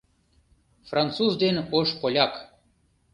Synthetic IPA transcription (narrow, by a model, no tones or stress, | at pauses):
frant̪suzd̪enʲoʃpolʲak